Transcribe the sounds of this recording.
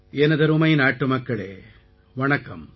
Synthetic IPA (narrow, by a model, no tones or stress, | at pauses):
ɛnɐðɐɾɯmɐɪjnaːʈːɯmɐkːɐɭḛː | ʋɐɳɐkːɐm